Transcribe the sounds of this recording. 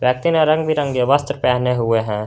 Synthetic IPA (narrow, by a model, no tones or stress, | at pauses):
ʋjəksinɔɾə̃ŋɡbʱiɾə̃ŋɡjeʋəst̪ɾəpɛːɦneɦʊeɦɛ̃ː